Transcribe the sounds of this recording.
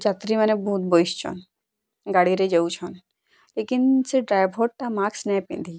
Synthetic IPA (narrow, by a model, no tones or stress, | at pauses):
d͡ʒat̪ɾimənebɔɦut̪̚bojʃt͡ʃʰɔ̰n | ɡaɽiɾed͡ʒeuwt͡ʃʰɔn | lekinseɖɾajbʱɦɔʈ̚t̪amaksnɛpḭ̃nd̪i